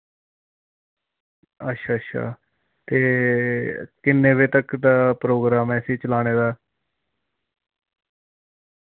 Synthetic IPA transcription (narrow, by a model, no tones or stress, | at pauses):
ətːʃʰaːətːʃʰa̰ː | t̪eː | kɪnːẽːʋeːt̪əkd̪aːpɾoːɡɾaːmɛːsiːt͡ʃəlaːɽ̃eːd̪aː